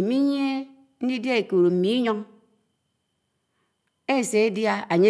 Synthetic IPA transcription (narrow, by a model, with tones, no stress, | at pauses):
mi˦ɲ˦e˦ | n̩˦di˦dja˦e˨ku˨ɾo˨m̩˨mi˨i˦ɲo˦ŋ | e˦˨se˨e˦dja˦a˨ɲe˦